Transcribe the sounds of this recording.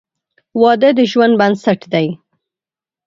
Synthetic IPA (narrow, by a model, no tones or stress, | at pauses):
wɑd̪əd̪əʒwand̪̚bansaʈd̪aj